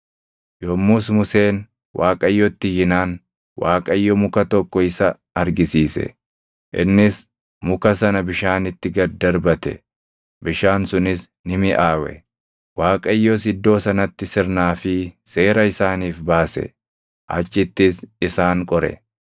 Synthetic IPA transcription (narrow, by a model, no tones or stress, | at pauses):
jɔmːʊsmʊse̞ːn | wʔaːkʼɐjːɔt̪ːɪjɪnaːn | wʔaːkʼɐjːɔmʊkɐt̪ɔkːɔɪsɐ | ɐɾɡɪsiːsɛ̰ | ʔɪ̰nːɪs | mʊkɐsɐnɐbɪʃaːnɪt̪ːɪɡɐɾd̪ɐɾbɐt̪ɛ̰ | bɪʃaːnsʊnɪs | nɪmɪʔaːwɛ̰ | waːkʼɐjːɔs̬ɪd̪ːo̞ːsɐnɐt̪ːɪsɪɾnaːfɪse̞ːɾɐɪsaːniːfbaːsɛ̰ | ʔɐ̰t͡ʃːɪt̪ːɪsɪsaːŋkʼɔɾɛ̰